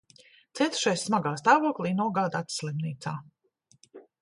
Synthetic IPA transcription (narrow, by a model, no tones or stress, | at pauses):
t̪siɛt̪u̥ʃajsːmaɡaːst̪aːvuɔklˠiːnuɔɡaːd̪at̪slˠimniːt̪saː